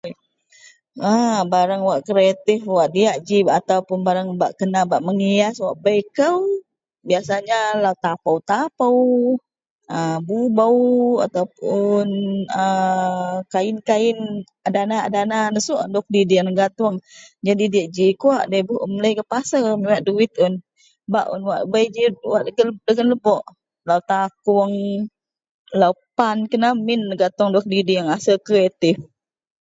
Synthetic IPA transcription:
abaɾaŋwaʔkɾeat̪ɪfwaʔdiaʔd͡ʒibat̪awpʊnbaɾaŋbaʔkənabaʔməŋiaswaʔbəjkəw | biasaɲalat̪apawt̪apaw | əbubawa̰t̪awpʊnə | kaɪnkaɪn | adanaa̰dananəsuʔndɔk̚didijaŋnəɡat̪uŋd͡ʒadidiəʔd͡ʒikuaʔdabumləjɡəpasəmiwaʔduwɪt̪̚ʊn | baʔṵnwaʔbajd͡ʒiwaʔɡdəɡənləbɔʔ | lawt̪akuŋ | laupankənamɪnːəɡat̪uŋdɔk̚didijaŋasəkɾiat̪ɪf

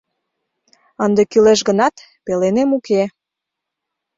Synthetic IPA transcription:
ənd̪ekyleʃ̬ɡənɑt̪ | pelenemuke

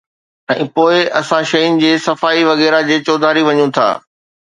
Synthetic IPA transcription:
ɛ̃ːpoːɪʔɐsãʃɐjʊnɪ̆d͡ʑeːsɐfaːiʋɐɣɛːɾad͡ʑeːt͡ɕoːd̪ʱaːɾiʋɐɲũt̪ʰa̰ː

